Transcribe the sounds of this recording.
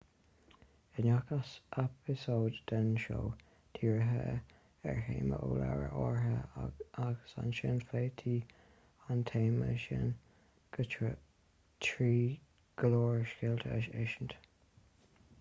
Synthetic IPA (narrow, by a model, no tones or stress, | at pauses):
ɪnakasʔɛpʰɪsoːd̪d̪̥ənʃo̰ː | t̪ʰiːɹəɦə | ɛ̰ɹheːməʔoːla̰ɹə̰ʔɔːɹɦəaɡəsa̰nʃɪnfeːt̪ʰiː | ant̪ʰeːməʃɪ̰n | ɡ̥ət͡ʃə | tʰɹiː | ɡ̥əloːɹʃkɪlt̪ʰə̰ʃɪʃənt̪